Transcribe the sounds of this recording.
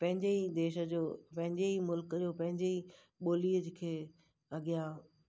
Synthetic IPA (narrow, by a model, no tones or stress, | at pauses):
pɐ̃ɦɪ̃ɲd͡ʑeid̪eːʃə̆d͡ʑoːpɐ̃ɦɪ̃ɲd͡ʑeimʊlkəd͡ʑoːpɐ̃ɦɪ̃ɲd͡ʑei | ɓoːliːəd͡ʑɪkʰeː | ɐɠija